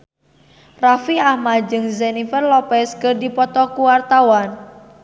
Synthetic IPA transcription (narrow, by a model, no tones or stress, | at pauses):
rafiahmad͡ʒɨŋzɛnifərlɔpɛskərdipɔt̪ɔkuwart̪awan